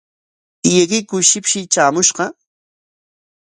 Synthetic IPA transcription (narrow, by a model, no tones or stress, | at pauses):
jɪɢɪkʊjʃɪpʃɪt͡ʃaːmʊʃɢɑ